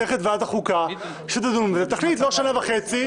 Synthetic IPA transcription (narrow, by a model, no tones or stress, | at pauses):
eχet̪veataχuka | ʃet̪adumzet̪aχlitloʃanavaχet͡si